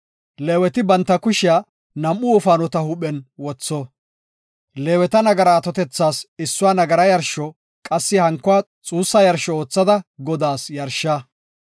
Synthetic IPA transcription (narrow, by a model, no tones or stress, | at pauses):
leːwɛt̪ɪbɐnt̪ːɐkʊʃɪa | nɐmʔːʊʊfaːnɔt̪ɐhʊɓɛnwɔt͡sːɔ | leːwɛt̪ɐnɐɡɐɾaːt̪ɔt̪ɛt͡sːaːsɪsːʊwaːnɐɡɐɾɐjɐɾʃɔ | kʼɐsːɪhɐŋkːʊwaː | t͡sʼuːsːɐjɐɾʃɔoːt͡sːɐd̪ɐɡɔd̪aːsjɐɾʃːaː